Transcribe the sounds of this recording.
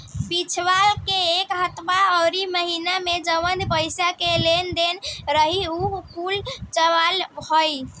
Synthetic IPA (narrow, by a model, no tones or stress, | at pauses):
bit͡ʃʰʋalkeːkɦət̪maɔwɾiməɦinamed͡ʒəmənd̪pəjsakelend̪enɾəɦiukult͡ʃəʋalɦoj